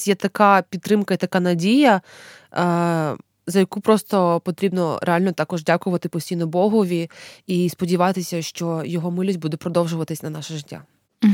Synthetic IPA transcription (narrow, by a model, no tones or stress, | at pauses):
jɛt̪ɐkapʲid̪ːɾɪmkɐit̪ɐkanɐdʲijɐ | zɐjɐkupɾɔst̪ɔpɔt̪ɾʲibnɔɾʔealʲnɔt̪ɑkɔʒdʲakʊʋɐt̪ɪpɔsʲtʲijnɔbɔɦʊʋʲiispɔdʲiʋɑt̪ɪsʲɐʃt͡ʃɔjɔɦɔmɪlʲisʲbud̪ɛpɾɔd̪ɔwʒʊʋɐt̪ɪsʲnɐnɑʃɐʒɪtʲːa̰